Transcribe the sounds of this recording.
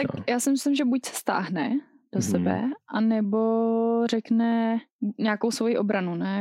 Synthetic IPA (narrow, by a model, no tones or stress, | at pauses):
t̪akjaːsɪmɪslɪmʒɛbucsɛ̥st̪a̰ːɦnɛ | d̥osɛbɛ̰ʔanɛbo̞rɛknɛɲaːko̞wsvo̞jiʔo̞bɾanunɛ